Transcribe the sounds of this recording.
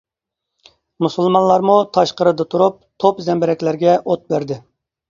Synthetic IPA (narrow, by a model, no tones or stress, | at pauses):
musɨlˠmɑnlˠɑɾmut̪ʰɑʃqəɾɨd̪ɑt̪ʰuɾup̚t̪ʰopzɛmbɪɾɛkʲlæɾɡʲɛot̪̚bæɾd̪ɪ